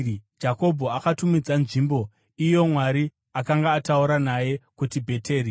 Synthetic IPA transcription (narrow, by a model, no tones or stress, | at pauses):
d͡ʒako̞bʱo̞akatumid͡zanʐimbo̞ | ijo̞mwaɾi | akaŋɡaːtauɾanaje̞kutibʱe̞tʰe̞ːɾi